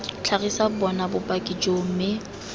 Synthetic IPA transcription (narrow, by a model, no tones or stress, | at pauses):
t͡ɬʰaɣisabɔnabʊpʼakʼid͡ʒom̩mɪ